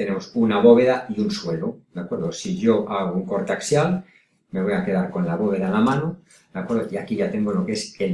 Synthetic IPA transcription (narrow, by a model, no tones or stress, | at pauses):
t̪enemosunaβo̞βe̞ðaiunswe̞lod̪̥akwe̞ɾðosiʝo̞ʔaɣ̞ouŋko̞ɾt̪aksjal | me̞βo̞jake̞ðaɾko̞nlaβo̞β̞e̞ðanlamãno | d̪̥akwe̞ɾðokeakiʝat̪e̞ŋɡolo̞kese